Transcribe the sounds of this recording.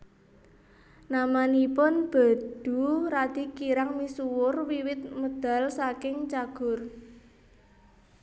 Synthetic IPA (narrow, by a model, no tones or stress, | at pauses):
namanipʊnb̥a̤d̪̥ṳrad̪̥i̤kiɾaŋmisuwʊrwiwɪt̪̚məd̪̥a̤lsakɪŋt͡ʃaɡ̥ʊ̤r